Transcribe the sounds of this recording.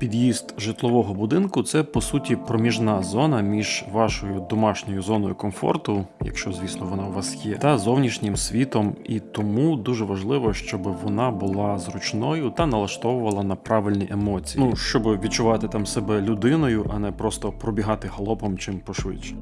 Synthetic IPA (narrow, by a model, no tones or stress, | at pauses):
pʲid̪jizt̪ʒɪt̪lˠɔʋɔɦɔbʊd̪ɪnkʊt̪sɛpɔsutʲipɾɔmʲiʒnɑzɔnɐmʲiʒʋɑʃɔjʊd̪ɔmɑʃnʲɔjʊzɔnɔjʊkɔmfɔ̰rt̪ʊjɐ̰kʃt͡ʃɔzʲʋʲisnˠɔʋɔnɑwʋɑsjɛt̪ɐzɔwnʲiʃnʲɪmsʲʋʲit̪ɔmit̪ɔmud̪uʒɛʋɐʒlˠɪʋɔʃt͡ʃɔbɪʋɔnɑbʊlˠɑzrʊt͡ʃnɔjʊt̪ɐnɐlˠɐʃt̪ɔʋʊʋɐlˠɐnɐpɾɑʋɪlʲnʲiʔemɔt͡sʲijniuʃt͡ʃɔbʋʲid̪̚t͡ʃʊʋɑt̪ɪt̪ɑmsebɛlʲʊd̪ɪnɔjʊʔɐnɛpɾɔst̪ɔpɾɔbʲiɦɑt̪ɪhlˠɔpɔmt͡ʃɪmpɔʃʋɪt͡ʃːɛ̥